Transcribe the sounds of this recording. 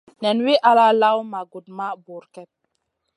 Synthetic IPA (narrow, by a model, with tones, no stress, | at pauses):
nɛ˨nwi˦ʔa˨˦la˦la˦wma˨ɡu˨d̚ma˦bu˨ɾkɛ˦t̚